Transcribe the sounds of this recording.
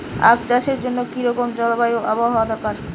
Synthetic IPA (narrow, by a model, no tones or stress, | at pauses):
a̰kt͡ɕaʃeɾd͡ʑonːokiɾɔkomd͡ʑɔlobajoʔaboaɦɔoad̪ɔkaɾ